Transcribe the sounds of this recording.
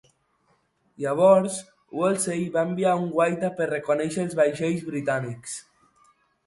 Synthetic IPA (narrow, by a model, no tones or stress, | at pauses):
ʎaβ̞ɔɾs | welˠsejβaembiauŋɡwajt̪apəɾrekonɛʃeːlˠzβajʃejzβɾit̪aniks